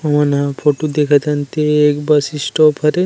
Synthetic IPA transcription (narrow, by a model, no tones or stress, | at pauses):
ɔmanapʰoʈud̪ekʰat̪ʰant̪eːkbasisʈɔpʰɐɾe